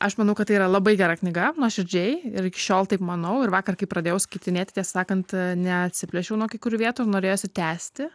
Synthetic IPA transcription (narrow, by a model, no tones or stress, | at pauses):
ʔɐʃmɐnɐʊkɐt̪ːɐɪiːɾɐlˠɐbɐɪɡʲɛɾɐknʲɪɡɐnuɔʃʲɪɾʲd͡ʒʲɛɪɪɾɪkʲɪ̥ʃʲoːlˠt̪ɐɪpmɐnɐʊɪɾʋɑːkɐrkɐɪpɾɐd̪ʲeːjɛʊskɐɪt̪ʲɪnʲeːt̪ʲɪt̪ʲɛssɑːkɐnt̪nʲɛɐt̪ʲsʲɪpʲlʲɛʃʲɛʊnuɔkʲɐɪkʊɾʲuːʋʲiɛt̪uːɪnoːɾʲeːjoːsʲɪt̪ʲæːsʲt̪ʲɪ